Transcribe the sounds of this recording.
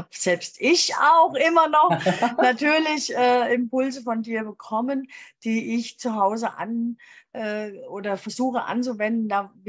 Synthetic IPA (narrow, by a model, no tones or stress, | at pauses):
hapz̥ɛlpstʔɪçaʊxʔɪmɐnɔχnatʰyːɐlɪçʔɛːɪmpʊlzəfɔndiːɐbəkʰɔmənd̥iːʔɪçt͡suɦaʊzəʔa̰nʔɛːʔoːdɐfɛɐzuːxəʔa̰nt͡suvɛndn̩daːv